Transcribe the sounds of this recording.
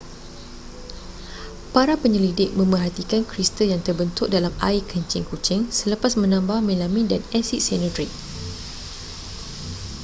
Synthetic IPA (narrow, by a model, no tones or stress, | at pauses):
paɾapəɲəlidɪk̚mə̃mbərɦat̪ikankɾist̪əjaŋt̪ərbənt̪ʊk̚dalama̰ikəɲt͡ʃɪŋkut͡ʃɪŋsələpasmə̃nãmbahmẽlamĩdanɛsiʔsɛnədɾik̚